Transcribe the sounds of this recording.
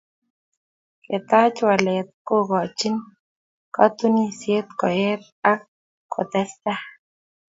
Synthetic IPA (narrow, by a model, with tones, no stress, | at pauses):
kɪ˨t̪a˦t͡ʃwa˨le˨t̪̚ko˦ɡɔ˨t͡ʃɪ˦n | ka˦t̪u˦ni˦sje˦t̪kɔ˨jɛ˦t̪̚ | a˦k | kʰːɔ̰˨t̪ɛ˦st̪a˦